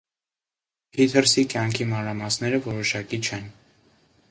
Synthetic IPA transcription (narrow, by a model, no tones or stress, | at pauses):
hit̪ʰəɾsikjɑŋkʰimɑnɾɑmɑsnɛɾəvɔɾɔʃɑkit͡ʃʰɛn